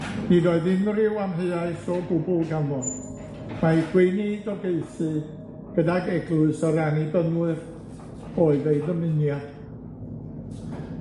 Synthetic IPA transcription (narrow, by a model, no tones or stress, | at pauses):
nidɔɨðɪŋrɪwamɦeɨaɨsɔbʊbʊlɡanvɔd | maikʰwejnidɔɡeɨsɨ | ɡ̥ədaɡɛɡlʊɨsɔɾanibənuɨr | oɨðejðəmɨnjad̥